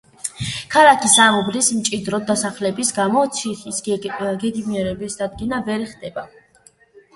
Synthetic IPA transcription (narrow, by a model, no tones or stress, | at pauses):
kʰalakʰisamubɾismt͡ʃʼid̪ɾɔd̪asaχlɛbisɡamɔt̪sʰiχisɡɛɡ̪imiɛɾɛbisd̪ad̪̚ɡinavɛɾɛχd̪ɛba